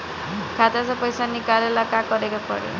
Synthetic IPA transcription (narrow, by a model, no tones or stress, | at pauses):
kʰat̪asapɔjsanikalelakakɔɾekapɔ̰ɽḛ